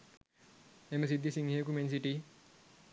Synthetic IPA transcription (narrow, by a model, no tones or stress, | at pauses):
emes̬id̪ːisiŋɦekumens̬iʈi